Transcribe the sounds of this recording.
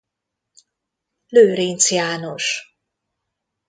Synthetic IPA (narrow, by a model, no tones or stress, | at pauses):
løːɾint̪sjaːnoʃ